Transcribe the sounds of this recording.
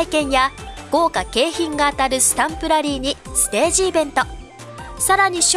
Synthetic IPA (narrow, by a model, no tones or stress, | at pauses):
ikẽ̞ɰ̃jaɡ̥o̞ːkake̞ːçĩŋɡaːt̪aɾɯ̟sɨ̥t̪ãmpɯ̟ɾaɾʲiːɲ̟isɨ̥t̪e̞ːʑiːbẽ̞nt̪o̞ | saɾaɲ̟iɕ